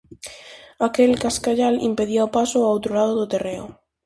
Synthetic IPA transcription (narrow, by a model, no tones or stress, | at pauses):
akelkaskaʎalḭmpeðiaopasʊawt̪ɾolaðʊðʊt̪ereʊ̰